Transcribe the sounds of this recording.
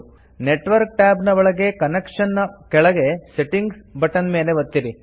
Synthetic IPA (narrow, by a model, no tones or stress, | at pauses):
neʈʋɐɾk̚ʈaːbnɐʋɐɭɐɡe̞kɐnekʂɐnːɐkɛɭɐɡeseʈiŋɡsbɐʈːɐnme̞ːleʋɐt̪ːiɾi